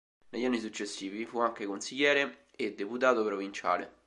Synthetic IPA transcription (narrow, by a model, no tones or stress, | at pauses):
neʎːanːisut͡ʃːesːiːvifuaŋk̟ekonsiʎːɛːɾe | ed̪ːeput̪aːt̪opɾovint͡ʃa̰ːlḛ